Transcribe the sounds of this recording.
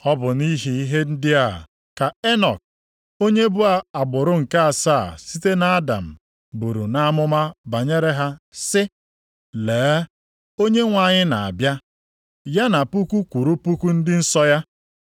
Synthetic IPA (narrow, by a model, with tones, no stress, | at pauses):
ɔ˦bʊ˨ni˦ɦi˦i˦ɦe˦n̩˦dɪ˦a˨ | ka˨e˦nɔ̰˨k̚ | o˦ɲe˦bʊ˦a˨a˨ɡ͡bʊ˨ɾʊ˦ŋ̩˨ka˦a˨sa˦˨si˦te˦na˦a˦da̰˨m̩˨ | bu˨ɾṵ˨na˦a˦mʊ˦ma˦ba˨ɲe˦ɾe˦ɦa˦sɪ˦ | leː˨˦ | o˦ɲe˦ŋʷa˨ɲɪ˦na˨a̰˨bja˦ | ja˦na˨pu˦ku˦kʷu˨ɾu˦pu˦ku˦n̩˦dɪ˦n̩˦sɔ˦ja˦